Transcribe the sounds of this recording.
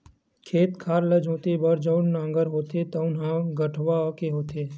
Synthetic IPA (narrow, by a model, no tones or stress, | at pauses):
kʰeːt̪kʰaːɾləd͡ʒʱõːt̪ebəɾd͡ʒəʊɽnãːŋɡəɾɦoːt̪et̪ɔʊnɦãɡəʈʰʋakeɦoːt̪eː